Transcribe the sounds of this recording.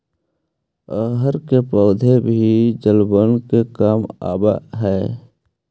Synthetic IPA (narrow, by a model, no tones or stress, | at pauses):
əɦəɾkepɔːd̪ʱebʱid͡ʒəlbənkekaːma̰ːba̰ɦɛː